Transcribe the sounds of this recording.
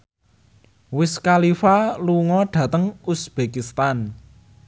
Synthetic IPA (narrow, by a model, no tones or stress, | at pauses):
wɪskalifaluŋɔɖ̥ä̤t̪əŋusb̥ekist̪an